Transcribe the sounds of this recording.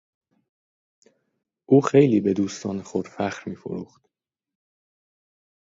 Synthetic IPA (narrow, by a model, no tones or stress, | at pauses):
ʔuːxe̞jliːbe̞d̪uːst̪ʰɒːnexod̪̥fæxɾmiːfo̰ɾṵːxt̪